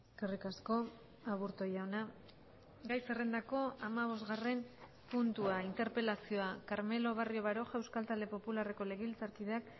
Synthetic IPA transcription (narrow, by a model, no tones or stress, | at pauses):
eskerikasko̞ | aβuɾt̪o̞jaona | ɡajse̞re̞nd̪ako̞amaβ̞o̞zɣare̞m | punt̪uaint̪e̞ɾpe̞lasio̞akaɾme̞lo̞βario̞βaɾo̞ʝaewskalt̪ald̪e̞po̞pulare̞ko̞le̞ɣ̞elt͡saɾkiðeak